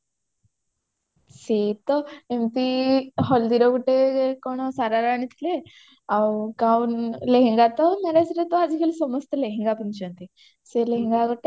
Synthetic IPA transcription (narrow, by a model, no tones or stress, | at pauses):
set̪ɔemt̪iɦɔld̪iɾɔkuʈekoɽ̃ɔsaɾaɾaːɽ̃it̪ʰile | awkauːnleɦẽŋɡat̪ɔnəɾasɾet̪ɔad͡zikʰelsɔmɔst̪əleɦeŋɡapənt͡ɕənt̪i | seleɦẽŋɡakəʈe